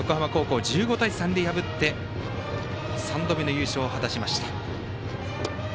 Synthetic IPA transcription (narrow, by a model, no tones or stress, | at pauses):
jo̞kohamako̞ːko̞ːd͡ʑɨːɡo̞t̪aisãnd̪ʲe̞jabɯ̟t̪ːe̞ | sãnd̪o̞bʲino̞jɯ̟ːɕo̞ːhat̪aɕimaɕi̥t̪ḁ